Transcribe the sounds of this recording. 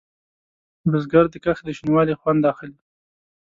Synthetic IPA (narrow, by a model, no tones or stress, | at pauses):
bəzɡaɾd̪əkaxd̪əʃinwɑlixwand̪ɑxɪl